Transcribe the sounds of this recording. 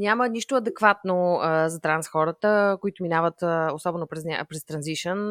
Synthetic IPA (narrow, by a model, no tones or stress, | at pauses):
nʲjaməniʃt̪oɐd̪ɛkvat̪nozɐt̪ɾansxɔɾət̪əkoit̪ʊminavət̪osɔbɛnopɾɛsnʲa̰pɾɛst̪ɾɐnziʃən